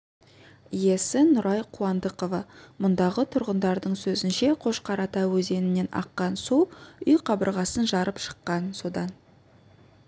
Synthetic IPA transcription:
je̞sɪnʊɾʔɑjqʰuwɑnd̪əqovɑmʊnd̪ɑʁət̪ʰʊɾʁənd̪ɑɾd̪əɴsɵzɪnʃe̞qʰo̞ʃqʰɑɾɑt̪ɑwɵze̞nɪne̞nɑ̰qːɑnsuwʏjqʰɑbəɾʁɑsənʒɑɾəpʃə̥qːɑnso̞d̪ɑn

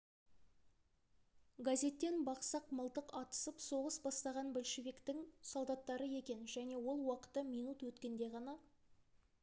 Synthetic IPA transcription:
ɡazʲe̞t̪ːe̞nbɑqsɑqməlˠt̪əqɑt̪ə̥səpso̞ʁəsbɑst̪ɑʁɑnbɵlʃevʲikt̪ɪŋsolˠd̪ɑt̪ːɑɾəe̞kʲe̞nʒæne̞wo̞lˠwɑqə̥t̪ːəmijnut̪wɵt̪kʲe̞nd̪e̞ʁɑnɑ

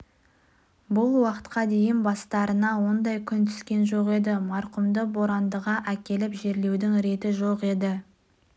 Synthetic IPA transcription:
bʊlˠwɑqə̥t̪qɑd̪e̞jɪnbɑst̪ɑɾənɑwo̞nd̪ɑjkʲʰʏnt̪ʰʏ̥skʲe̞nʒo̞qe̞d̪ɪmɑɾqʊmd̪əbo̞ɾɑnd̪əʁɑʔækʲe̞lɪpʒe̞ɾle̞wd̪ɪŋɾe̞t̪ɪʒoqe̞d̪ɪ

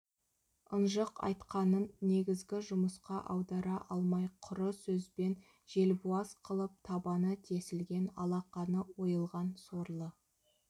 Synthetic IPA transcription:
ənʒəqɑ̰jt̪qɑnənːe̞ɡʲɪzɡʲɪʒʊməsqɑʔɑwd̪ɑɾɑʔɑlˠmɑjqʰʊɾəsɵzbe̞n | ʒ̥e̞lbuɑsqʰəlˠəp̚t̪ʰɑbɑnət̪ʰe̞sɪlɡʲe̞nɑlˠɑqɑnəwo̞jəlˠʁɑnso̞ɾlˠə

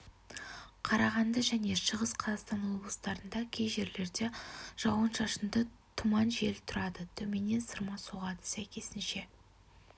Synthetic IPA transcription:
qʰɑɾɑʁɑnd̪əʒæne̞ʃəʁəsqʰɑzɑqst̪ɑnwo̞blˠəst̪ɑɾənd̪ɑkʲʰejʒe̞ɾle̞ɾd̪e̞ʒ̥ɑwənʃɑʃənd̪ət̪ʰʊmɑnʒe̞lt̪ʰʊɾɑd̪ət̪ʰɵme̞ne̞nsəɾmɑsoʁɑd̪ə̥sæjkʲe̞sɪnʃe̞

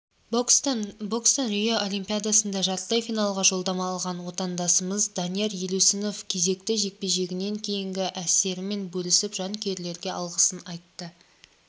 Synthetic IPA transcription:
bo̞kst̪onɾijoʔolʲimpʲijad̪asənd̪ɑʒɑɾt̪əlˠəjfijnɑlˠʁɑʒo̞lˠd̪ɑmɑːlˠʁɑnwo̞t̪ɑnd̪ɑsəməzd̪ɑnijeɾjelusɪno̞fkʲʰe̞ze̞kt̪ɪʒe̞k̚pe̞ʒe̞ɡʲɪne̞ŋkʲʰe̞jɪŋɡʲɪʔæse̞ɾɪme̞nbɵlɪsɪpʒɑŋkʲʰe̞ɾle̞ɾɡʲe̞ʔɑlˠʁəsənɑjt̪ːə

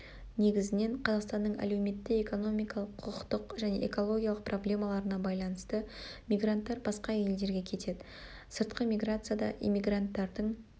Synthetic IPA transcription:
ne̞ɡʲɪzɪne̞ɴqʰɑzɑqst̪ɑnd̪əɴæ̰lewme̞t̪ːɪeko̞no̞mʲijkɑlˠəqʰːʊʁət̪əqʒæne̞̰ʔḛko̞lˠo̞ɡʲijalˠəq̚pro̞blʲe̞mɑlˠɑɾənɑbɑjlˠɑnəst̪əmʲiɡrant̪ːɑɾbɑsqɑe̞ld̪e̞ɾɡʲe̞kʲʰe̞t̪e̞d̪ɪ | səɾt̪qəmʲijɡrat̪sɨjad̪ɑ̰ʔḭmʲːiɡrant̪ːɑɾd̪əɴ

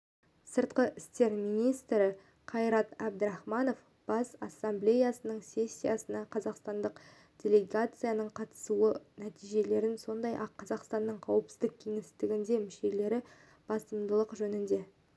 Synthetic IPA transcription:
səɾt̪̚qəʔɪst̪e̞ɾminijst̪ɾɪ | qʰɑjɾɑt̪æb̚d̪əɾɑχmɑno̞f | b̥ɑsɑsːamblʲe̞jasənəɴsʲe̞sʲːijasənɑqʰɑzɑqst̪ɑnd̪əq | d̥ʲe̞lʲe̞ɡat̪sɨjanəɴqʰɑt̪ə̥suənæt̪ijʒe̞le̞ɾɪnso̞nd̪ɑjʔɑqʰːɑzɑqst̪ɑnːəɴqʰɑwəpsɪzd̪ɪk̚kʲʰe̞ŋɪst̪ɪɡʲɪnd̪e̞mɪʃe̞le̞ɾɪ | b̥ɑsəmd̪əlˠəqʒɵnɪnd̪e̞

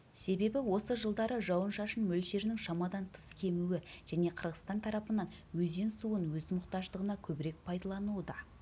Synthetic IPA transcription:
se̞be̞bɪwo̞səʒəlˠd̪ɑɾəʒɑwənʃɑʃənmɵlʃe̞ɾnɪŋʃɑmɑd̪ɑnt̪ʰə̥skʲʰe̞muɪʒ̥æne̞qʰəɾʁəst̪ɑnt̪ʰɑɾɑpənɑn | wɵze̞nsuənwɵzmʊqt̪ɑʒd̪əʁənɑkʲʰɵbɪɾe̞k̚pʰɑjd̪ɑlˠɑnud̪ɑ

